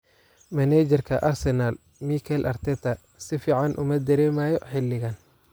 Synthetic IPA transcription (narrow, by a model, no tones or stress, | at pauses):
mɐnɛːd͡ʒɛrkʰɐʔɐrsɛnal | mikʰɛlʔɐrt̪ʰɛt̪ʰɐ | sɪfiːʕɑnʔʊ̰mɐd̪ɐɾɛːmaːjɔħɪlːɪɣɐn